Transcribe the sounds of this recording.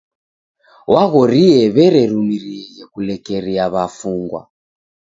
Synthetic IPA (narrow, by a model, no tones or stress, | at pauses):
waɣɔɾiɛβɛɾɛɾumiɾiɛɣɛkulɛkɛɾiaβafuŋɡwa̰